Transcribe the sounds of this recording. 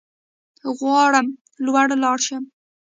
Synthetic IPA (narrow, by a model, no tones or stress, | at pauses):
ɣwɑɽəm | lwaɽlɑɽʃəm